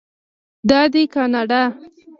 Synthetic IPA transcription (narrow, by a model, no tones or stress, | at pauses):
d̪ɑd̪ikɑnɑɖɑ